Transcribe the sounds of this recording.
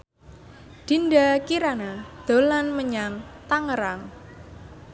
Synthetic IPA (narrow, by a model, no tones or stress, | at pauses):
d̪̥i̤nɖakiɾanad̪̥o̤lanməɲaŋt̪aŋəɾaŋ